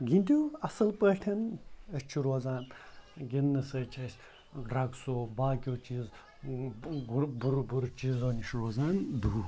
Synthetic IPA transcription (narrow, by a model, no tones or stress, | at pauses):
ɡʲinʲt̪ʲuɐsɐlpəːʈʰɐnɐsʲt͡ʃʰuɾoːzaːnɡʲinːɨsɐːt͡ʃʰɐsʲ | ɾɐɡsoːbaːkʲoːt͡ʃiːz | buɾbuɾt͡ʃiːzoːnʲiʃɾoːzaːnd̪u